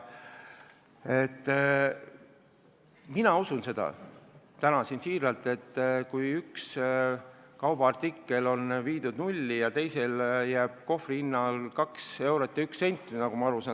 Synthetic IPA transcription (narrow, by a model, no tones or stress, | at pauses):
e̞t̪ː | minɑusunse̞d̪̥ɑ̰ | t̪ænɑsinsiːɾɑlt̪ˑe̞t̪ːˑkujyks | kɑwb̥ɑɑrt̪ikːe̞lo̞nviːd̪̥ud̪nulʲːijɑt̪e̞jse̞ljæːb̥̚ko̞friinːɑlkɑkse̞wɾot̪ːjɑyksːe̞nʲt̪ːˑnɑɡ̥umɑɑɾusɑːn